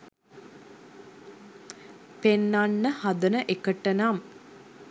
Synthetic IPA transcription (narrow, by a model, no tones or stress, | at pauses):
penːanːəhad̪ənəʔekəʈːənam